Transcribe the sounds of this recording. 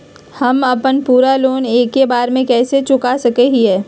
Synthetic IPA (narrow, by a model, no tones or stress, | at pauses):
hɐmɐpənpuːɾaloːneːkːebaːɾmẽkɛːset͡ʃʊkasɐkeɦiɦɛː